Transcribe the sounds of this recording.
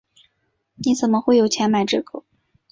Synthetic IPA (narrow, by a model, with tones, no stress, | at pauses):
ni˧˥t͡sə˨˩nmə˦xwe˥˩ɪjo˨˩ʊt͡ɕʰjɛ˧˥nma˨˩ɪʈ͡ʂɤ˥˩kə˨˩